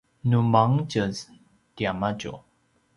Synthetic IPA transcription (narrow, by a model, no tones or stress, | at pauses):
numaŋt͡ɕəz | t̪jamat͡ɕo̰